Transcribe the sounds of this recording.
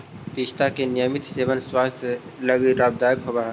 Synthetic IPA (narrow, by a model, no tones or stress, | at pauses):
piːt͡ʃt̪akenɪjəmɪt̪seːʋənswaːst̪ʰləɡiɾaːb̚d̪aːjəkɦoɡaːɦ